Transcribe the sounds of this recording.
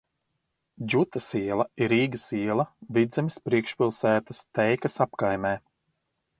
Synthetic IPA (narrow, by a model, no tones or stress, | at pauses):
d͡ʒut̪ɐsiɛlˠɐiɾiːɡɐsiɛlˠɐvid̪zɛmʲispɾiɛkʃpʲilˠsæːt̪ɐst̪ɛjkɐsapkajmɛː